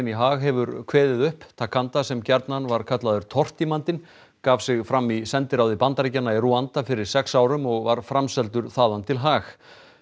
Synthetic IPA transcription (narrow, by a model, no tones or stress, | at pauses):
ɪniɦaːɣɦɛvʏɾkʰvɛːðɪðʏhpt̪ʰakʰant̪asɛmcɛɾt̪nanvaɾ̥kʰat̪laðʏɾ̥t̪ʰɔr̥t̪imant̪ɪn | kaːv̥sɪɣfɾamːisɛnt̪ɪɾawðɪpant̪aɾicanːairuant̪afɪɾɪɾ̥sɛksaːwɾʏmɔɣvaɾ̥fɾamsɛlt̪ʏɾθaːðant̪ʰɪlɦaːx